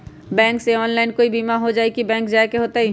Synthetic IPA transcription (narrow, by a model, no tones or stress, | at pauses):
bɛ̃ːŋkseɔːnlaːɪnkoːibiːmaɦod͡ʒaːikibɛ̃ːŋkd͡ʒaekeɦoːt̪aɦi